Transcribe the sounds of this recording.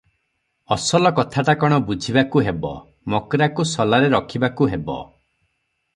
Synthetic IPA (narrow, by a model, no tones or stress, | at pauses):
ɔsɔlɔkɔt̪ʰaʈakɔɽ̃ɔbud͡ʒʱibakuɦebɔ̰ | mɔkɾakusɔlaɾeɾɔkʰibakuɦebɔ̰